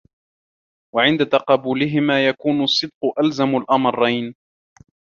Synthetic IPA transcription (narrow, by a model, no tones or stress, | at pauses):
waʕɪnd̪at̪ɑqɑːbuːlɪɦɪmaːjakuːnʊsˤːɨd̪̚qʊʔalzamalʔɑmɑrˤːɑjn